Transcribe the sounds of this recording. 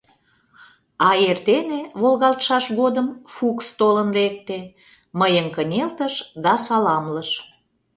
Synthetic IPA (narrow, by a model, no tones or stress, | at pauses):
ɑert̪eneβolɣɑlt̪ʃɑʃɣod̪əmfukst̪olənlek̚t̪e | məjəŋkənʲelt̪əʃd̪ɑsɑlɑmləʃ